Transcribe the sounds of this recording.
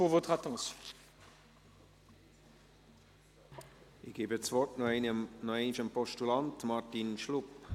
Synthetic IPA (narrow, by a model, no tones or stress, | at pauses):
uʁvot̪χat̪ɑ̃sjɔ̥̃ | ɪçɡ̥eːbət͡svɔrtnnɔeɪnʃəmpɔʃtulantmartinʃlʊp